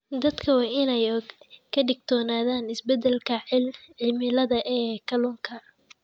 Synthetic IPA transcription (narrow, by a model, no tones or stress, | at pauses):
d̪ɐd̪kʰɐwɑːɪnɛjkʰɐɖɪɡ̚t̪ʰɔːnaːðaːnɪsbɛd̪ɛlkʰɐʕɪlʕɪmɪlɐðɐʔɛːkʰɐluːŋkʰɐ